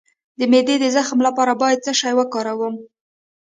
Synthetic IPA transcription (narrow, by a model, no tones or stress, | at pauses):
d̪əmed̪ed̪əzaxmlapɑɾabɑjad̪̚t͡səʃɑjwakɑɾawəm